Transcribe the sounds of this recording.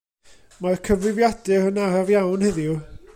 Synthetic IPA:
markʰəvlɪvjadɨɾənaɾavjawnhɛðju

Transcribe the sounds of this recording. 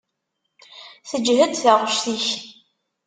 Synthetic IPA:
θəd͡ʒːɦəd̪θəʁəʃθiç

